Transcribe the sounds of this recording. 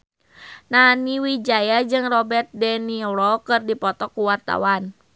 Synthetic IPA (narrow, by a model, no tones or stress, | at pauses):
naniwid͡ʒajad͡ʒɨŋrɔbɛrt̪̚dɛnilɔkɨrdipɔt̪ɔkːuwart̪a̰wan